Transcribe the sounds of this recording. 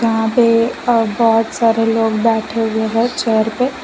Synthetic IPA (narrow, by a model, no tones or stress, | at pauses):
jɐɦãpebɔːʊt̪saːɾeloːɡbɛːʈʰeɦuweɦɛ̃t͡ʃəɾpe